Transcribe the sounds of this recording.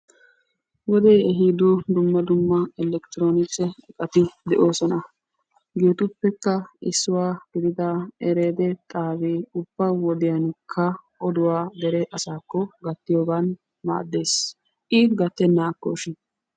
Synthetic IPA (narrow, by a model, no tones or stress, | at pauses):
wɔd̪ɛjɛɦiːd̪ʊd̪ʊmːɐd̪ʊmːɐɛlɛkt̪ɪɾoːnɪt͡sːɛɛkʼɐt̪ɪd̪ɛʔo̞ːsɔnɐ | ɡuːt̪ʊpːɛkːɐɪ̰sːʊwaːɡ̥ɪd̪ɪd̪ɐɛɾeːd̪ɛt̪ʼaːbeːʊb̥ːɐwɔd̪ɪjɐnkʰːɐʔɔd̪ʊwaːd̪ɛɾɛʔɐsaːkːɔɡɐt̪ːɪjoːɡan | ma̰ːd̪ːe̞ːs | ʔɪɡɐt̪ːɛnːaːkːɔʃɪ